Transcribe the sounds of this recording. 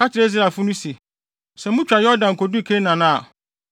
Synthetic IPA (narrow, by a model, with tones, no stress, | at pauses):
a˦t͡ɕʰɪ˨ɾe˦zɾa˨fʊ˦nũ˦se˨ | sɛ˨mʊ̃˦t͡ɕᶣɾa˨jɔ˦dã˨ŋ̩˨kʰɔ˨du˦˨kʰe˦nã˨nã˦a̰˨